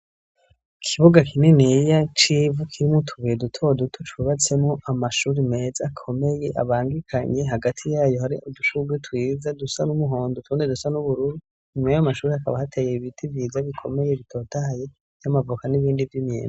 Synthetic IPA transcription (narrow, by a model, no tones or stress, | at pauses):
kʰiβoɡakinenijat͡ʃivukʰiɾimotʰuβiedutʰo̞dutʰot͡ʃuβat͡se̞mŋoʔamaʃuɾime̞zakʰo̞me̞je̞ʔa̰βaːŋɡikʰaɲe̞ɦaɡatʰijaːjo̞haɾiʔuduʃuɡwetwiːzadusanumuɦo̞ːndotwuːndedusanuβuɾuɾu | ɲumajamaʃuːɾihakaβahatʰejeβitʰivjiːzaβikʰo̞me̞je̞βitʰo̞ːtaje̞ | jamavukaniβiːndivjimɲḛːn